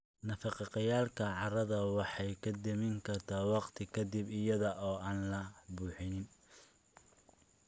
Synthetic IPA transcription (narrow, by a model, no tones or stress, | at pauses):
nɐfɑqɑqɑjaːlkʰɐʕɑrɐðɐwɑħɑjkʰɐd̪ɐmɪŋkʰɐrt̪ʰaːwɑqt̪ʰɪkʰɐd̪ɪbɪjɐðɐʔɔːaːnlɐbuːħɪnɪn